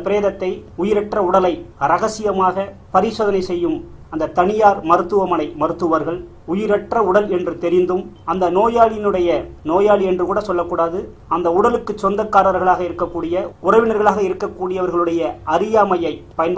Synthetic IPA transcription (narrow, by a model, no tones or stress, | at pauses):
ɐpɪɾeːðɐt̪ːɐɪʊjɪɾɐʈrɐʊɽɐlɐɪɾɐɣɐsɪjɐmaːɣɐpɐɾɪsoːðɐnɐɪsɛjːɯm | ɐnd̪ɐt̪ːɐɳɪjaːɾmɐɾɯt̪ːɯʋɐmɐnɐɪmɐɾɯt̪ːɯʋɐɾɣɐɭ | ʊjɪɾɐʈrɐʊɽɐlɛndrɯt̪ɛɾɪnd̪ɯm | ɐnd̪ɐnoːjaːlɪjɪnɯɽɐjɐnoːjaːɭiɛndrɯkuːɽɐsɔlːɐkːuːɽaːðɯ | ɐnd̪ɐʊɽɐlɯkːɯt͡ʃːɔnd̪ɐkːaːɾɐɾɣɐɭaːɣɐɪɾɯkːɐkːuːɽɪjɐʊrɐʋɪnɐɾɣɐɭaːɣɐɪɾɯkːɐkːuːɽɪjɐʋɐɾɣɐɭɯɽɐjɐɐɾɪjaːmɐjɐɪpɐjɐnb